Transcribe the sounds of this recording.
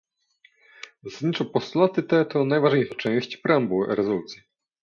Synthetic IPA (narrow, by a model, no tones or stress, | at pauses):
zasad̪ɲit͡ʂɔpɔst̪ulat̪ɘt̪ɛt̪ɔnajvaʐɲejʂat͡ʂɛ̃w̃ɕt͡ɕpɾambuɾɛzɔlut̪sʲji